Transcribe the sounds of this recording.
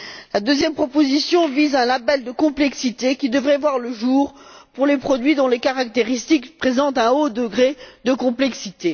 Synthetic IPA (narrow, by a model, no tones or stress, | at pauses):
lad̪øzjɛmpχɔpozisjɔ̃vizaɛ̃labɛld̪əkɔ̃plɛksit̪ekʲid̪əvʁɛvwaʁləʒuːʁpuʁlepχɔd̪ɥid̪ɔ̃lekaʁak̚t̪eʁist̪ikpχezɑ̃t̪ɛ̃od̪əɡʁed̪əkɔ̃plɛksit̪e